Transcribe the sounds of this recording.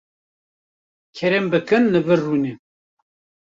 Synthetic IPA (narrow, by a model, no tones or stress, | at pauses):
kʰɛɾɛmbɨkɨnːɨvɨrːuːne